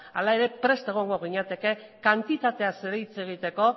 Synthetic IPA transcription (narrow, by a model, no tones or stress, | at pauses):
alae̞ɾe̞pɾe̞st̪e̞ɣ̞o̞ŋɡo̞ɣiɲat̪e̞ke̞ | kant̪it̪at̪e̞ase̞ɾeit͡se̞ɣ̞it̪e̞ko̞